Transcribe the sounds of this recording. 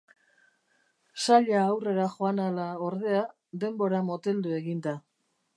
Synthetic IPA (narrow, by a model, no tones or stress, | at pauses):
saʎaːwre̞ɾaχo̞analao̞ɾðe̞a | d̪e̞mbo̞ɾamo̞t̪e̞ld̪ue̞ɣind̪a